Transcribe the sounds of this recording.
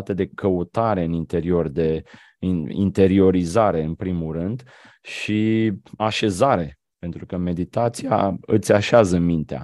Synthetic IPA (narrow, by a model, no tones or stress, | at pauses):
t̪əd̪e̞kʰəut̪aɾe̞ɨnint̪e̞ɾio̞rd̪e̞ | ḭnt̪e̞ɾio̞ɾizaɾe̞ɨnpɾimulɾɨnd̪ | ʃiaʃe̞zaɾe̞ | pe̞nt̪ɾukəme̞d̪it̪at̪sija̰ɨt̪sʲaʃeazəmint̪ea̰